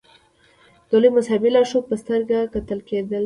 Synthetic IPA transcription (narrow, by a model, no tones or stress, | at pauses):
d̪̥olujmʊsɑbɪlɑʃopəst̪əɾɡakat̪əlked̪əl